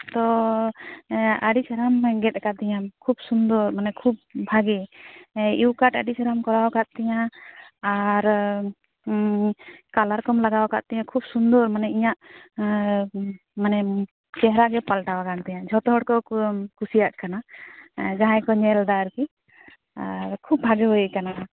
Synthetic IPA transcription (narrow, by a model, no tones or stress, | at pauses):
t̪ɔ | aɖit͡ʃʰaɾamɡɛt̪̚kat̪ɛjakʰub̚sund̪ɔɾmanɛkʰub̚bʱaɡɛ | iwkaʈaɖit͡ʃʰaɾamkɔɾawkaʔ̪̚t̪ɛjãaɾ | kalaɾkɔmlaɡawkaʔ̪̚t̪ɛjãkʰub̚sund̪ɔɾmanɛiɲaʔ | manɛ | t͡ʃɛɦɾaɡɛpalʈawakant̪ɛjãd͡ʒʱɔt̪ɔɦɔɽkɔkusijaʔkana | d͡ʒaɦãjkɔɲɛld̪aɾki | aɾkʰub̚bʱaɡɛɦɔjʔkana